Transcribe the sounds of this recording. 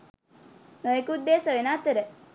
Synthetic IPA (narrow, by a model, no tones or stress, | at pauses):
nɐjkud̪ːeːsɐʋinaːt̪ɐɾe